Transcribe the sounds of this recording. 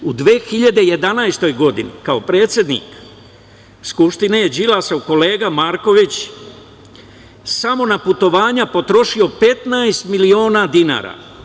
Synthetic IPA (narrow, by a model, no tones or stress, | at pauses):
ud̪ʋeːxiʎad̪eje̞d̪anajst̪o̞jɡo̞d̪inḭkao̞pɾe̞ːt̪sʲjed̪nḭːk | skupʃt̪ineje̞d͡ʑilasauko̞le̞ːɡamaːɾko̞ʋit͡ɕ | samo̞naput̪o̞ʋaːɲapo̞t̪ɾo̞ʃio̞pe̞t̪najst̪milio̞ːnad̪ina̰ːɾa̰